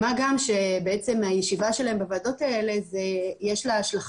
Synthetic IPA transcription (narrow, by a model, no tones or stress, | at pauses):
maɡamʃebeet͡se̞majeʃivaʃelaɦe̞mbavaːdo̞taele̞zejeʃlaaʃlaχ